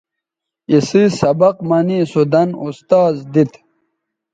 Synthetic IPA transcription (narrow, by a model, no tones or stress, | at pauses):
isisɐbɐqmɐnisud̪ɐnust̪aːzd̪it̪